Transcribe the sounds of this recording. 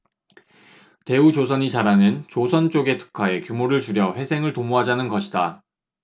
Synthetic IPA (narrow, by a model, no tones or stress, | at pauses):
te̞ut͡ɕosʰʌɲit͡ɕaɾanɯnt͡ɕosʰʌnt͡ɕ͈oɡe̞tʰɯ̥kʰae̞kjumoɾɯɭt͡ɕuɾjʌɸwe̞sʰe̞ŋɯɭtomuɦad͡ʑanɯnɡʌɕʰida